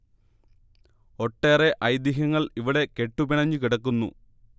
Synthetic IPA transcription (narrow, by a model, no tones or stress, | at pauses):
o̞ʈːe̞ːre̞ʔɐjd̪iɦɐŋːɐɭiʋiɽe̞ke̞ʈːupiɳɐɲːukiɽɐkːunːṵ